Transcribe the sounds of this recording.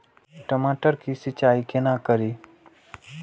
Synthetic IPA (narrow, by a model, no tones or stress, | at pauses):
ʈəmaːʈəɾkisit͡ʃaːikenakəɾiː